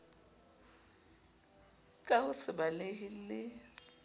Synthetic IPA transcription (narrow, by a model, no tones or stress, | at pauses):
kʼahʊsɪbaleɦɪlɪ